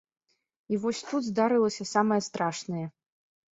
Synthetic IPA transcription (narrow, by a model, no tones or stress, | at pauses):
ivɔsʲt̪ud̪zd̪aɾɨlˠɐsʲɐsamɐjɐst̪ɾaʂnɨjɐ